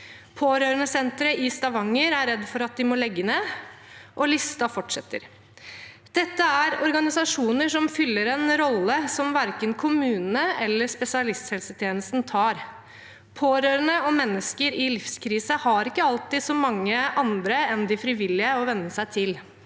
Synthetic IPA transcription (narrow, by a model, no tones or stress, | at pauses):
pʰoːɾøːɾənəsɛnt̪ɾəʔɪst̪ɑʋɑŋːəɾæɾɛd̪ːfɔɾɑt̪̚d̪ɪmɔlɛɡːəneː | ʔɔlɪst̪ɑfɔʈʂɛt̪ːə̰ɾ | d̪̥ɛt̪ːəæɾɔɾɡɑnɪsɑʂuːnəʂɔmfʏlːəɾɛnɾɔlːəsɔmʋæɾkənkʰʊmʉːnnəɛlːəʂpɛsɪɑlɪst̪shɛlsət̪ʰjeːnəst̪nt̪ʰɑːɾ | pʰoːɾøːɾənəɔmːɛnːəskəɾɪlɪfskʰɾiːsəhɑɾɪkːəɑlt̪ɪːd̪sɔmɑŋːəʔɑnd̪ɾəɛnd̪ɪfɾɪʋɪlːɪəɔʋɛnːəsæɪt̪ʰɪl